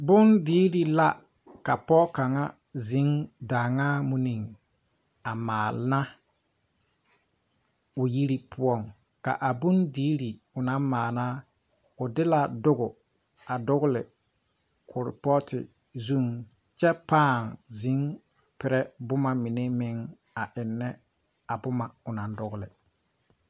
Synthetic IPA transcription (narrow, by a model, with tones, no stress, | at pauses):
bʊ˦ndiː˦ɾi˨la˦ | ka˨pɔ˦ka˨ŋa˦ | zi˨˦ŋdaː˨ŋaː˦mu˦ni˨ŋ | a˨maː˨lna˦ | ʊ˨ji˦ɾi˦pʰʊ˦ɔ˦˨ŋ | ka̰˨ʔa˨bʊ˦ndiː˦ɾi˨ | ʊ˨na˦mmaː˨naː˦ | ʊ˨dɪ˦la˨dʊ˦ɣʊ˨ | a˨dʊ˦ɣʊ˦lɪ˨ | kʰʊ˨ɾɪ̰˨pɔ˦tʰɪ̰˨ | zu˦ŋ | t͡ʃɛ˦paː˦˨ŋzi˨˦ŋ | pɪ˨ɾɛ˦bʊ˦ma˨mi˨ne˦mɪ˦ŋ | a˨ʔɪ˨nːɛ˦ | a˨bʊ˦ma˨ʊ˨na˨n˦dʊ˦ɡʊ˦lɪ˨